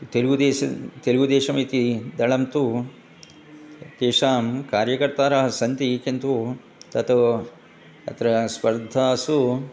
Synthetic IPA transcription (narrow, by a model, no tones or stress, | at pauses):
t̪elɡud̪eːɐt̪elɡud̪eːʂɐmiːt̪id̪ɐɭɐmt̪u | keːʂaːmkaːɾjɐkɐɾt̪aːɾaːɦɐsɐnt̪ikint̪u | t̪ɐt̪ɐ | ɐ̰t̪ɾɐspɐɾd̪ʱaːsu